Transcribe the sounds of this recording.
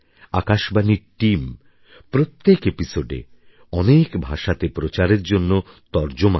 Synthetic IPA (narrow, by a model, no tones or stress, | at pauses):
akaʃbaniʈim | pɾot̪ːekepisoɖḛ | ɔnekbʱaʃat̪epɾot͡ɕaɾeɾd͡ʑonːo | t̪ɔɾd͡ʑoma